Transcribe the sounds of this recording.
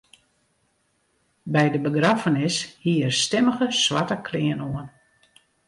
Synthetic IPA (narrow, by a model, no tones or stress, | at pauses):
bɛjdəbəɡrafənɪshiəərstɪməɣəswatəkʰlɪənoən